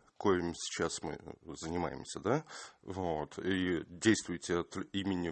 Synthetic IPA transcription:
kojɪmsʲɪ̥t͡ɕːasmɨ̰zənʲɪma̰jɪ̰msʲəd̪avot̪ʰidʲejst̪vʊjɪtʲɪɐt̪imʲɪnʲɪ

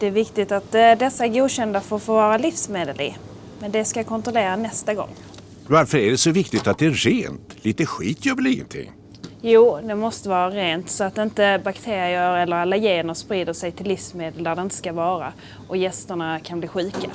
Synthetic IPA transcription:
d̪̥ɛːvɪkt̪ɪt̪at̪d̪ɛsːaæɾɡuːd̪ɕɛnd̪afəɾfoːvɑːɾalifsmeːd̪əlɪ̰ | mɛnd̪ɛskakʰɔnt̪ɾɔleːɾanɛst̪aɡɔ̰ŋː | vaɾfœɾæɖɛsɔvɪkt̪ɪt̪at̪̚d̪ɛæɾeːnt̪liːt̪əɧiːt̪ʰjœːvəliŋːə̰nt̪ʰɪ̰ŋː | juːd̪ɛmɔst̪əvɑːɾaɾeːnt̪sɔat̪̚d̪ɪnt̪əbakt̪ʰeːɾɪəɾɛlːəɾalːajeːənəspɾiːd̪əʂɛjt̪ʰɪlːifsmeːd̪əld̪æɖ̪ɛɪnt̪ə̥skavɑːɾa̰ | ʔɔjɛst̪əɳakʰanbliːɧʉ̟ːka̰

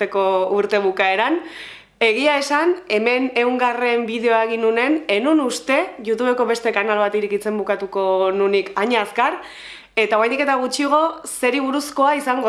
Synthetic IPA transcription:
e̞ko̞uɾt̪e̞β̞ukae̞ɾan | e̞ɣ̞iae̞sane̞me̞ne̞wŋɡare̞mbið̞e̞oaeɣinune̞ne̞nunust̪e̞ʝut̪uβe̞ko̞βe̞st̪e̞kanalβat̪iɾekit͡se̞mbukat̪uko̞nunikaɲaːskaɾ | e̞t̪aoajnd̪ike̞t̪aɣ̞ut͡ʃiɣ̞o̞se̞ɾiβ̞uɾusko̞aisaŋɡo

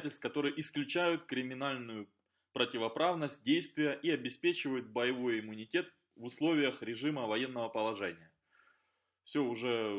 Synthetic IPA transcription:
tʲɪlʲst̪kɐt̪o̞ɾɨjʔɪsklʲʉt͡ɕæjʊt̪kɾʲɪmʲɪnalʲnʊjʊ | pɾətʲɪvɐpɾavnəsʲt̚ʲdʲejst̪vʲɪjəʔiɐbʲɪspʲet͡ɕɪvəjʊt̪̚bəjɪvo̞jɪmːʊnʲɪtʲe̞t̪ | vʊslˠo̞vʲɪjəxɾʲɪʐɨməvɐje̞nːəvəpəlˠɐʐɛnʲɪjə | fsʲoʊʐɛ

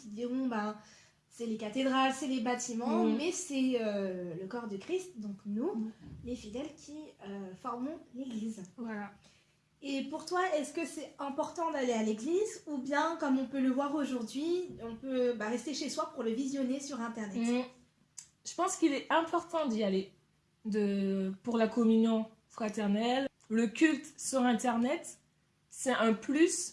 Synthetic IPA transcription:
td̪iʁɔ̃bã | sɛlekat̪ed̪ʁalsɛlebat̪imɑ̃mɛsɛøləkɔʁd̪əkχist̪d̪ɔ̃knulefid̪ɛlkʲʰiøfɔʁmɔ̃leɡliːzaa | epuʁt̪waɛskəsɛɛ̃pɔʁt̪ɑ̃d̪alealeɡlizubjɛ̃kɔmɔ̃pøləvwaʁoʒuʁd̪ɥiɔ̃pøbaʁɛst̪eʃeswapuʁləvizjɔnesyʁɛ̃t̪ɛʁnɛt̪ | ʒ̥əpɑ̃skilɛɛ̃pɔʁt̪ɑ̃d̪iale | d̪əpuʁlakɔmynjɔ̃ | fχat̪ɛʁnɛl | ləkʲylt̪syʁɛ̃t̪ɛʁnɛt̪ | sɛɛ̃plys

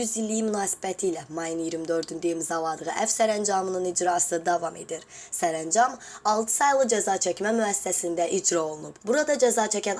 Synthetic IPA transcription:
yzilʲːijimynaːsi̥bæt̪ʰijlʲɛmɑjɯnjiɾmid̪ø̞ɾd̪ynd̪eimizɑlˠɑd̪ɯʁɯʔæfsæɾænd͡ʒɑmɯnɯnid͡ʒɾɑːsɯd̪ɑvɑme̞d̪iɾ | sæɾænd͡ʒɑm | ɑlˠt̪ʰɯ̥sɑjlˠɯd͡ʒæzɑːt͡ʃʰɛcmɛmyæsːɛsind̪æʔid͡ʒɾao̞lˠunubbuɾad̪ɑd͡ʒæzɑːt͡ʃʰɛcæn

